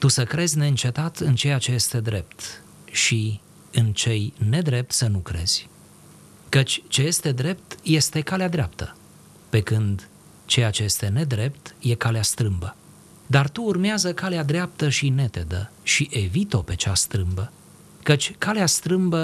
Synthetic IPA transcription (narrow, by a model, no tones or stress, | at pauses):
t̪usəkɾe̞zʲne̞ɨnt͡ʃe̞t̪at̪ɨnt͡ʃe̞jat͡ʃe̞je̞st̪e̞d̪ɾe̞p̚t̪ | ʃi | ɨnt͡ʃe̞jne̞d̪ɾe̞p̚t̪sənukɾe̞̰z̥ʲ | kət͡ʃʲt͡ʃe̞je̞st̪e̞d̪ɾe̞p̚t̪je̞st̪e̞kalead̪ɾeap̚t̪ə | pe̞kɨnd̪ | t͡ʃe̞jat͡ʃe̞je̞st̪e̞ne̞d̪ɾe̞p̚t̪je̞kaleast̪ɾɨmbə | d̪art̪uːrmeazəkalead̪ɾeap̚t̪əʃine̞t̪e̞d̪ə̰ʃiʔe̞vit̪o̞pe̞t͡ʃast̪ɾɨmbə | kət͡ʃʲkaleast̪ɾɨmbə